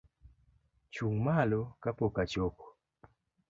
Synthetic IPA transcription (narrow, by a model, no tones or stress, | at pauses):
t͡ʃuŋmalɔkapokat͡ʃokɔ̥